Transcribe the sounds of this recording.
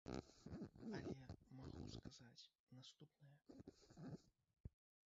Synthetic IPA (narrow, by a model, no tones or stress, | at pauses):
ɐlʲɛɛmaɣṵskaz̥at͡sʲ | nast̪upnɐjɐ